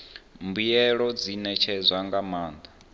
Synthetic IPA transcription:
mbujɛɺɔd͡zinɛt͡ʃʰɛzʷaŋɡamaːnd̪a

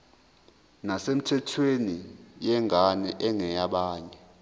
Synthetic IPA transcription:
nasem̩tʰɛtʰwenijɛŋanɛʔɛŋɛjaɓaːɲɛ

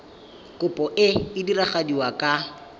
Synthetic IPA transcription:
kʼʊpʼɔʔɪɪdiraχadiwakʼa

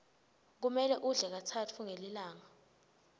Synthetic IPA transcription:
k̬umɛlɛʔuɮɛk̬atʰatʰuŋelilaːŋa

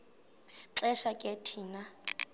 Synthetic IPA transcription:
ǁɛʃakʼetʰiːna

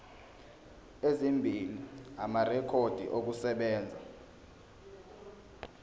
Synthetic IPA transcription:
ezimbʱiliamarɛkʰod̥ʱḭʔok̬usɛɓɛːnd͡zʱa̰

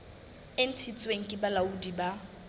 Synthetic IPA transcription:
ɪn̩tʰit͡sʼweŋ̩kʼɪbalaudiba

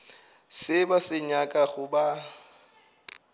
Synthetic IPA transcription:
sɪbasɪɲakʼaɣʊba

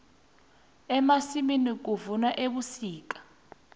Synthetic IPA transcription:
ɛmasiminik̬uvunaʔeɓusiːk̬ʼḁ

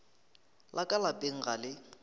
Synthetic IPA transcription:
lʔakʼalapʼeŋ̩ɣalɪ

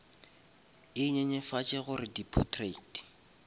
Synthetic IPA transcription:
ɪɲeɲɛfat͡ʃʼɛɣʊrɪdipʰɔtʰreti̥

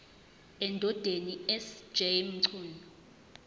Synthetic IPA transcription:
ɛndʱɔd̥ʱeniɛsd͡ʒɛm̩ǀʰuːnɔ

